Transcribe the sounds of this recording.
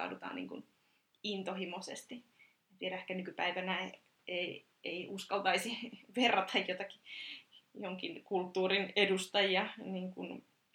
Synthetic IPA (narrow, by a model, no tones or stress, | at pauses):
ɑ̰dut̪ɑ̰ːnḭŋkṵn | int̪ohimosḛst̪i | t̪ieɾæehkænykypæiʋænæ | ei | eiʔuskɑlt̪ɑisiʋerːɑt̪ɑjjot̪ɑki̥ | joŋkinkult̪ːuːrinedust̪ɑjiɑniːŋkun